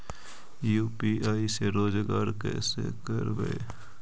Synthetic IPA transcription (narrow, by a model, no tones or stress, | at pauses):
juːpiːaːiseɾoːd͡ʒɡaːɾkɛ̰ːsḛkəɾbə̰e